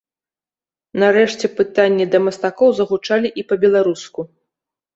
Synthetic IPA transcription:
naɾɛʂt͡sʲɛpɨt̪anʲːid̪ɐmɐst̪akɔwzɐɣut͡ʂalʲiʔipɐbʲɛlˠaɾusku

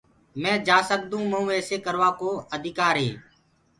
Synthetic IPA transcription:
mɛ̃ːd͡ʒaːsək̚d̪ũːməɦũːeːseːkəɾʋaːkoːəd̪ʱɪkaːɾɦeː

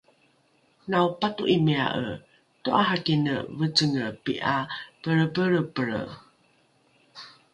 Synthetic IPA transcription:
nawpatuʔimea̰ʔə̰ | toʔaɦakinə̰vət͡səŋəpḭʔapəɻəbəɾəpəɾə̰

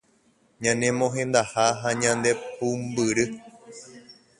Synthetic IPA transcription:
ɲãnẽmõɦẽ̞nd̪ahaɦaɲãnd̪e̞pumbɨɾɨ

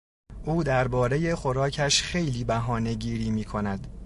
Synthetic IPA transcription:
ʔuːd̪æɾbɒːɾe̞je̞xo̞ɾɒːcʰæʃxe̞jliːbæɦɒːne̞ɟiːɾiːmiːkʰo̞næd̪

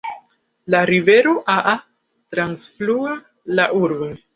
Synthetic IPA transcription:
laɾive̞ɾo̞ʔaʔa | tɾansflua | laʔuɾbo

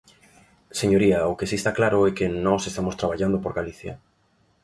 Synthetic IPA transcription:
seɲoɾiaokesiest̪aklaɾoɛkenɔsest̪amost̪ɾaβ̞aʎand̪opoɾɣaliθja̰

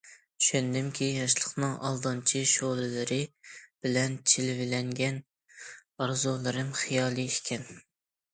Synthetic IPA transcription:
y̥ʃɛnd̪ɪmkʲʰijɑʃlˠəχnɨŋʔɑ̰lˠd̪ɑnt͡ʃʰiʃolˠɨlɪɾɪb̥ɪlɛnt͡ʃʰɪlɪvɪlɛŋɡʲɛn | ɑɾzulˠɨɾɨmχijɑːlˠiɪkʲʰɛn

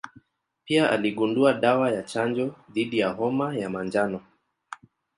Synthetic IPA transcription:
piaʔa̰liɠunduaɗawajat͡ʃand͡ʒɔðiɗijaɦɔmajamand͡ʒanɔ

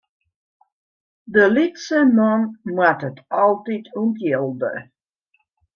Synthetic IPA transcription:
dəlitsəmɔnmatətʰɑlˠtitʰuntjelˠdə̰

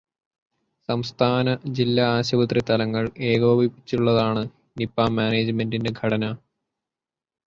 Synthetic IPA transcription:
sɐmst̪ʰaːnɐd͡ʑilːɐaːɕɐbɐt̪rit̪ɐlɐŋːɐɭeːɣoːbʱipːi̥t͡ɕːuɭːɐðaːɳɨ | nipːaːmaːneːd͡ʑɨme̞ndindeɡʱɐɽɐnɐ

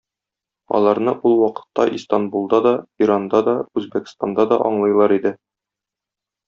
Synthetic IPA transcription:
ɒ̰lˠɑɾnɤʔulˠwɒqɤ̥̆t̪ːɑʔist̪anbulˠd̪ɑd̪ɒiɾand̪ɑd̪ɒʉzbækst̪and̪ɑd̪ɒʔɒɴlˠɤ̆jlˠɑɾid̪ɘ

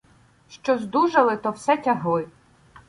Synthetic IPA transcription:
ʃt͡ʃɔzd̪uʒɐlˠɪt̪ɔwsɛtʲɐɦlˠɪ

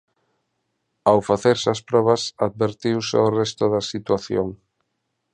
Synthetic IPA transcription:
awfaθeɾsɐspɾɔβɐsað̚βeɾt̪iwsḛorɛst̪ʊðɐsit̪waθjo̰ŋ

